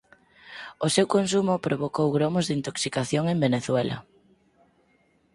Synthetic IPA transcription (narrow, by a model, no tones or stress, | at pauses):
osewkons̬umʊpɾoβokowɣɾomʊzðint̪oksikaθjoŋembeneθwɛlɐ̰